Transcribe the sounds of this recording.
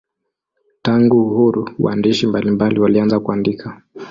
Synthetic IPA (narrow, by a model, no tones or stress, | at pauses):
taŋɡuuhuɾuwa̰ndiʃimbalimbaliwalianzakuandikʰa